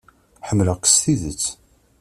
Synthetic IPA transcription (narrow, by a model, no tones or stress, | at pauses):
ħəmːləʁqə̥st̪iðət͡sː